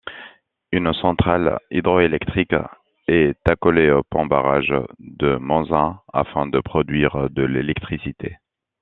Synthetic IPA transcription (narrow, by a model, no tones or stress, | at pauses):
ynsɑ̃t̪χalḭd̪ʁɔelɛkt̪χik | ɛt̪akɔleopɑ̃ba̰ʁa̰ʒd̪əmɑ̃zɛ̃a̰fɛ̃d̪əpχɔd̪ɥiʁd̪əlelɛkt̪χisit̪ʰe